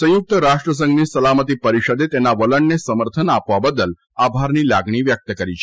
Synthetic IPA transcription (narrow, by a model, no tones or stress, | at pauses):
sə̃juk̚t̪əɾaʃʈɾəs̬ə̃ŋɡnisəlamət̪̬ipəɾiʃəd̪et̪enaʋələɳnesəməɾt̪ʰənapʋabəd̪əl | abʱaɾnilaɡɳ̃iʋjək̚t̪əkəɾit͡ʃʰe̥